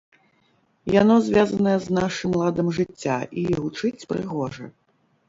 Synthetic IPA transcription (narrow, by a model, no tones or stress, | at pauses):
janɔzʲvʲazɐnɐjɛznaʂɨmlˠad̪ɐmʐɨt͡sʲːa̰ʔiɣut͡ʂɨt͡sʲpɾɨ̰ɣɔʐɐ̰